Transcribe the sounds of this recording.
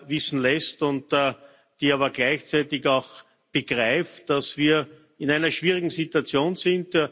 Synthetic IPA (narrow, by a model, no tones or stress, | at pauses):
vɪsn̩lɛstʊntː | d̥iːaːβɐɡlæɪçt͡sæɪtɪçaʊx | b̥əɡʁaɪftd̥asv̥iːɐ | ɪnæɪnɐʃv̥iːʁɪɡŋ̩zituat͡sjoːnzɪnt